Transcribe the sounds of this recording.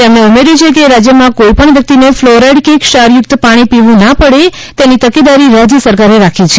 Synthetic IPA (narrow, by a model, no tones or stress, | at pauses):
emɽẽəmeɾit͡ʃʰek̬eɾad͡ʒjəmãkoipəɳʋjək̚t̪inefloɾeɖkekʃaɾjʊk̚t̪əpaɽ̃ipiʋũnapəɽe | t̪enit̪əked̪aɾiɾad͡ʒsəɾkaɾeɾakʰit͡ʃʰe̥